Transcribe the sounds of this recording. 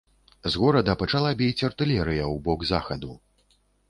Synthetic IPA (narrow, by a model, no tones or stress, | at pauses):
zɣɔɾɐd̪ɐpɐt͡ʂalˠabʲɛjt͡sʲɐrt̪ɨlʲɛɾɨjɐwbɔɡza̰xɐd̪u